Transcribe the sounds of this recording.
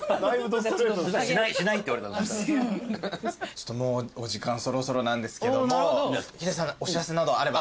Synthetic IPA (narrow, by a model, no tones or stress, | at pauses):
naibɯt̪osɕinaiɕinait̪ːeaɾet̪ane | t͡ɕo̥t̪ːomoːoʑikãɰ̃so̞ɾo̞so̞ɾo̞nãnd̪e̞sɨ̥ke̞d̪ookʲet̪es̬ãŋoɕiɾase̞nad̪o̞aɾe̞ba